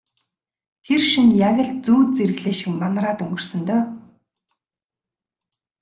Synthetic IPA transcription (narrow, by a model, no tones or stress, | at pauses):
xerʃinjaɣʲə̆ɮt͡suːt̪̚t͡seɾɘ̆ɣɮeːʃɪ̆kmanɾaːt̪ɵŋɡɵ̆r̥sɵ̆nt̪œː